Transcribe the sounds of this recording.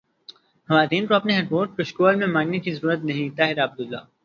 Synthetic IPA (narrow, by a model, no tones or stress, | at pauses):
xɐʋaːt̪iːnkoɐpneɦeːʈpoːʈ̚koʃkoːlmẽmãːŋnekizɐɾuːɾət̪nɐɦĩt̪aːɦɪɾaːb̚d̪ʊlːa̰ː